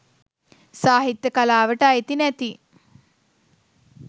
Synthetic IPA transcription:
saːɦit̪ːəkalaːʋəʈaaet̪inæt̪i

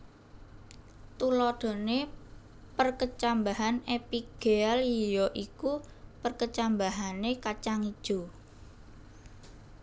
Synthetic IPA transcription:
t̪ulɔɖ̪̥o̤ne | pərkət͡ʃambaɦanepiɡ̥ealijɔʔiku | pərkət͡ʃambaɦanekat͡ʃaŋid̥ʒ̥o̤

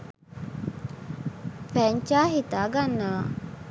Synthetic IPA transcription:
fɛɲt͡ʃaːɦit̪aːɡanːɐʋa̰

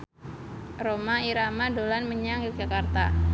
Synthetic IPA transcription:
romaiɾamadolanməɲaŋɡid͡ʒakart̪a̰

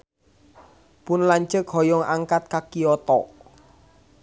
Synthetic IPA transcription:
pʊnlaɲt͡ʃəkɦɔjɔŋʔaŋkat̪̚kakiɔt̪ɔ

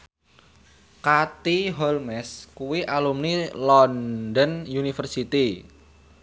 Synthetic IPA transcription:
kat̪iɦɔlmɛskuwiʔalumnilɔndənjunifərsit̪i

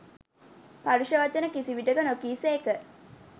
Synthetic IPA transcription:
paɾuʃəʋat͡ʃənəkisiʋiʈəkənokiːseːkə

